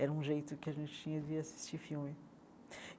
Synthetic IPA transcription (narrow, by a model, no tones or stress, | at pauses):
ɛɾɐũʒejt̪ʊkɪɐʒẽnt͡ʃ̪ɪ̥t͡ʃĩɲɐd̪ɪasi̥st͡ʃiɾfilmɪ